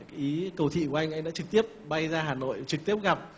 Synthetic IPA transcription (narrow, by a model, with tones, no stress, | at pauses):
ʔi˨˦kə˧˩wt̪ʰḭ˧˨kwʔa˧jŋ̟ʔa˧jŋɗa̰ː˧˥t͡ɕɨ˨˩k̚t̪i˦˥əp̚ɓa˧jzaː˧ɦaː˨˩no̰˧˨jt͡ɕɨ˨˩k̚t̪i˦˥əp̚ɣa˨˩p̚